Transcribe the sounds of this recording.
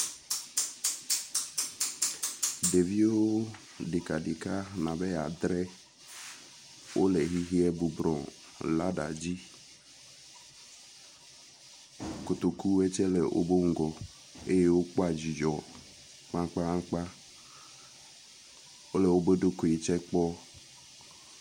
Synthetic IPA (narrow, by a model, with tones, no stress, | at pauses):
de˨vi˦o˦ | de˨ka˨di˨ka˦na˨bɛ˦ja̰˨d̪ɾɛ˦ | wʔo̰˦lɛ˨ɦi˦ɦi˦ɛ˦bu˨bɾɔ˨ | la˦da̰˨d͡ʒi˦ | ko˨t̪o˨ku˦ɛ˦t͡ʃɛ˦lɛ˨ʔo̰˦bo˦ŋ̩˦˨ɡɔ˨ | e˦je˦wo˦k͡pɔ˦a˨d͡ʒi˨d͡ʒɔ˨ | ma˦ŋ˦k͡pa˦a˦k͡pa˦ | o˦lɛ˨wo˦be˦do˦ko˨e˨t͡ʃɛ˦k͡pɔ˦